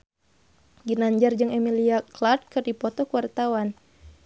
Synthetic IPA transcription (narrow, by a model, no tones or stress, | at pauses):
ɡinaɲd͡ʒard͡ʒɨŋɛmiliaklard̪̚kɨrdipɔt̪ɔkuwart̪awan